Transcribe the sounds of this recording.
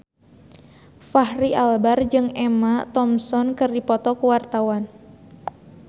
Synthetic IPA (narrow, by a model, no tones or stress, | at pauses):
fahɾiʔalbard͡ʒɨŋɛmat̪ɔmsɔnkɨrdipɔt̪ɔkuwart̪awan